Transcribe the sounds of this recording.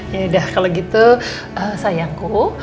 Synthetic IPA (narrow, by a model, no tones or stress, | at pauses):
jadahkaloɡit̪u | əsajaŋku